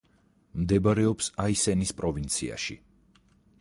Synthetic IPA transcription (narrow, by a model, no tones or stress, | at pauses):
md̪ɛbaɾɛɔpsaisɛnispʼɾɔvint̪sʰia̰ʃḭ